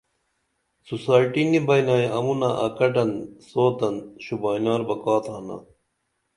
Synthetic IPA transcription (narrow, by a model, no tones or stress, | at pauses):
susaːiʈinibɐjnaːjɐmunaʔɐ̰kɐʈɐnsoːt̪ɐnɕubaːjnaːɾbɐkaːt̪ʰaːna̰